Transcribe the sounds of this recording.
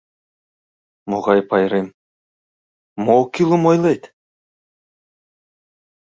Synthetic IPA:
moʁɑjpɑjɾem | mokʲilˠumojlˠejt̪

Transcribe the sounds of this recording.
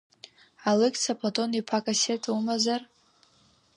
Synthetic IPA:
alɨkʼt͡sʰapʰʼlatʼo̞nipʰakʼasetʰumazar

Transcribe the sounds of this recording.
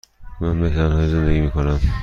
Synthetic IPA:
mænbehd̪ænhɒːjeze̞nd̪eɡiːmiːkʰonæm

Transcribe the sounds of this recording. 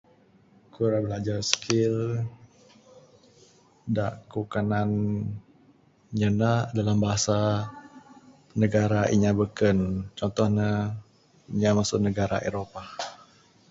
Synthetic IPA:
kuɾabəlad͡ʒarsə̥kʰɪl | daʔkukanan | ɲənaʔdalambaɦasa | nəɡaɾaʔḭɲabəkənt͡ʃɔnt̪ɔhɲə | iɲamasʊʔnəɡaɾa̰ʔḛɾopa

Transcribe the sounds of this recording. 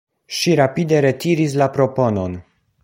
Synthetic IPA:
ʃiɾapide̞ɾe̞tiɾis̬lapɾo̞po̞no̞n

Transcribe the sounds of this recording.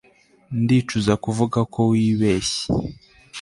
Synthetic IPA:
ndiːt͡ʃuzakuvuɡakʰo̞wiːβeːɕe̥

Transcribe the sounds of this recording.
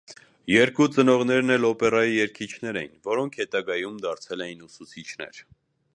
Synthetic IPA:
jɛɾkut͡sənɔʁn̪ɛɾnɛlɔpɛrɑjijɛɾkʰit͡ʃʰnɛɾɛjinvɔɾɔŋkʰhɛt̪ɑɡɑjumd̪ɑɾt͡sʰɛlɛjinusut͡sʰit͡ʃʰnɛ̰ɾ

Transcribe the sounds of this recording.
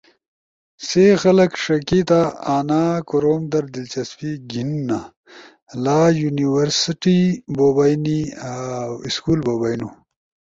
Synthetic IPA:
sexɐlɐkʂɐkit̪aaːnaːkuɾoːmd̪ɐɾd̪ilt͡ɕɐspiɡinːa | laːjuniwɐɾsiʈiboːbajni | iskuːlboːbajnu

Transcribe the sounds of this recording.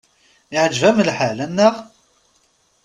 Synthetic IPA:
ɪʕəd͡ʒvæməlħalænːəʁ

